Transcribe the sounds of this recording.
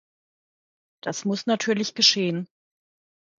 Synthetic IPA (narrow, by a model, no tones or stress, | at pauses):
d̥asmʊsnatʰyːɐlɪçɡ̥əʃeːən